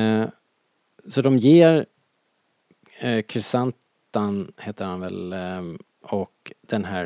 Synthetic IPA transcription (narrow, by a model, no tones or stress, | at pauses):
sɔd̪ɔmjeːɾ | kʰɾɪsant̪ | anheːt̪əɾhanvɛ̰l | ɔkd̪̥ɛnɦæː